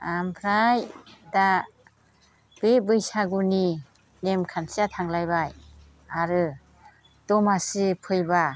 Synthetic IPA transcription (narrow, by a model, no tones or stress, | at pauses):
ampʰɾajda | b̥ebɯjsaɡuni | nemkʰansiatʰaŋlajbaj | aɾɯ | d̥ɔmasɯpʰɯjba